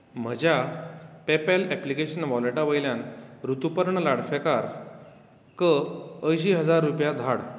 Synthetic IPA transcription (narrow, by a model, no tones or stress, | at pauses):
m̤əd͡ʑʱjapepɛlɛplikeɕənʋɔleʈaʋəjljãnɾut̪upəɾɳəlaɽfekaɾ | kəəjɕ̬iːɦəd͡zaɾːupjad̪ʱaɽ